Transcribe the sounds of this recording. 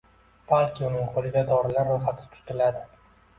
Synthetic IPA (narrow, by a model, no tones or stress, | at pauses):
b̥alkʲɪʊnɪŋqʰolɪd̪ad̪ɒɾɪlaɾːojχat̪ʰɪ̥t̪ʰʊ̥t̪ɪlad̪ɪ